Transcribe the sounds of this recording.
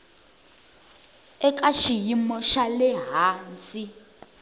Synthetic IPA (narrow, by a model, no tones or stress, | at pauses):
ɛk̬ʼaʃijimɔʃalɛɦaːnsi